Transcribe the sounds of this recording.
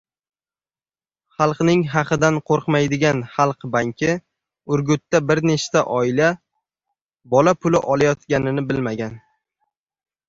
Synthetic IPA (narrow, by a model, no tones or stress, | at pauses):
χɑlˠqnɪŋɦɑqʰɨd̪anqʰoɾqmajd̪ɪɡʲanχɑlˠqbaŋkʲʰɪ | ʊɾɡʊt̪ːabɪɾne̞ʃt̪aʔɒɪla | bɒlapʰʊlɪʔɒlˠajɒt̪ɡʲanɪnɪbɪlmaɡʲan